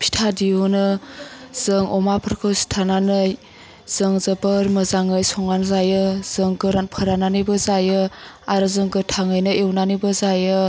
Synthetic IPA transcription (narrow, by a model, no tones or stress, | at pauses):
pʰi̥tʰadionɯ | z̥ɯŋɔmapʰəɾkʰɯwsi̥tʰananɯj | z̥ɯŋzəbɯɾmɯzaŋɯjsɔŋanzajɯz̥ɯŋɡɯɾanpʰəɾananijbɯzajɯ | aɾɯzɯŋɡɯtʰaŋɯjnɯʔewnanijbəzajɯ